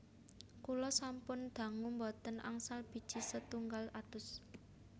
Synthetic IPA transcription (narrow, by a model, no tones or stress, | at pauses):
kulɔsampʊnd̪̥ä̤ŋumbɔt̪ənʔa̰ŋsalb̥i̤d̥ʒ̥i̤sət̪uŋɡalat̪ʊs